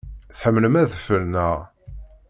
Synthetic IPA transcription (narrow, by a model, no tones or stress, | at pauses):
θħəmːləmæðəfəɾnæ